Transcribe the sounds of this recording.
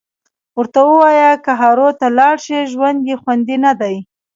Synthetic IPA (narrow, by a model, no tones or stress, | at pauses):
wəɾt̪awəwɑjakəɦɑɾot̪alɑɽʃiʒwand̪jexwand̪inad̪aj